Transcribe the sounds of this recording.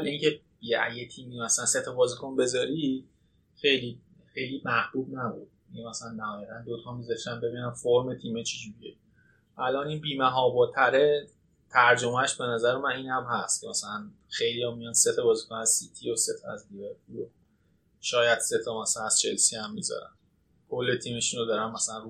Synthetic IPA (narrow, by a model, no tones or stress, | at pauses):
liŋcʰe | jeʔæ̰jet̪ʰiːmimæsælænse̞t̪ʰɒbɒːzikʰonbe̞zɒːɾi | xe̞jliː | xejliːmæhb̥uːbnæbṵd̪̥̚ | inmæsælænːæhɒːjæɣænd̪ot̪ʰɒmbizɒʃt̪ænmbe̞biːnænfoɾmet̪ʰiːmet͡ʃʰid͡ʒuɾie | ʔælɒːniːnbiːmæɦɒːbɒːt̪ʰæɾe | t̪ʰæɾd͡ʒomæʃbe̞næzæɾemæniːnhæmɦæst̪cʰemæsælæn | xe̞jlijɒmijɒnse̞t̪ʰɒbɒːzikonæz̥sit̪ʰijose̞t̪ʰɒæ̰zliveɾpʰulo | ʃɒːjæd̪̥se̞t̪ʰɒmæsælnæz̥t͡ʃʰelsihæmːizɒ̰ɾæ̰n | kʰo̞lːet̪ʰiːmeʃunod̪ɒɾænmæsælænru